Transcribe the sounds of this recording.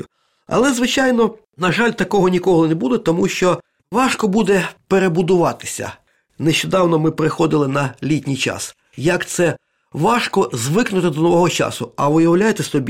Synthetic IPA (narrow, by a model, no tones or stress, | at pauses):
ʊ | ɐ̰lˠɛzʋɪt͡ʃɑjnɔ | nɐʒɑlʲt̪ɐkɔɦɔnʲikɔɦˠɔnebud̪ɛt̪ɔmuʃt͡ʃɔ | ʋɑʃkɔbud̪ɛpeɾebʊd̪ʊʋɑt̪ɪ̥sʲɐ̰ | neʃt͡ʃɔd̪ɑwnɔmɪpeɾɪxɔd̪ɪlˠɪnɐlʲitʲnʲijt͡ʃɑ̰s | jɐkt̪sɛ | ʋɑʃkɔzʋɪknʊt̪ɪd̪ɔnɔʋɔɦɔt͡ʃɑ̰sʊɐʋʊjɐwlʲajet̪ɛsɔbʲi